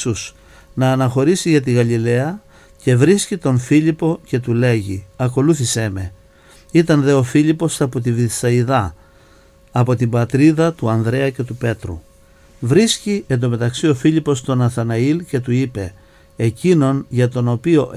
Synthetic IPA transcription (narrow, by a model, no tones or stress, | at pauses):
us | nɐːnɐxo̞ɾisiʝɐt̪̬iɣɐlile̞ɐ | ce̞vɾiscit̪o̞ɱfilipo̞ce̞t̪ule̞ʝiɐko̞luθise̞me̞ | it̪ɐnðe̞o̞fiʎipo̞sɐpo̞t̪̬iviθsɐiðɐ | po̞t̪imbɐt̪ɾiðɐt̪uɐnðɾe̞ɐce̞t̪upe̞t̪ɾṵ | vɾisciend̪o̞me̞t̪ɐksio̞filipo̞st̪o̞nɐθɐnɐilce̞t̪uipe̞ː | cino̞nʝɐt̪o̞nopio̞